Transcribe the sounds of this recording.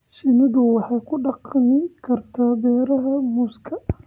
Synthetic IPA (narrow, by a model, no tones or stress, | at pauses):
ʃɪnɪd̪ʊwɑħɑjkʰʊɖɑqnɪkʰɐrt̪ʰaːbɛːɾɐɦɐmuskʰɐ